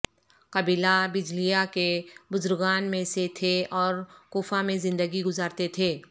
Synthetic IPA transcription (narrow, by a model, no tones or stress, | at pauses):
kɐbiːlabɪd͡ʒlijakebʊzʊɾɡaːnmẽset̪ʰeɔːɾkuːfamẽzɪ̃nd̪əɡiɡʊzaːɾt̪et̪ʰeː